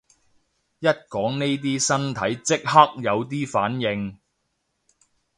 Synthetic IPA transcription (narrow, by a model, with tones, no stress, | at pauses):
jɐ˥t̚kɔː˨˥ŋne˥jt̪̬iː˥sɐ˥nt̪ʰɐ˨˥jt͡sɪ˥k̚hɐ˥k̚jɐ˨˧wt̪̬iː˥faː˨˥njɪ˨˧ŋ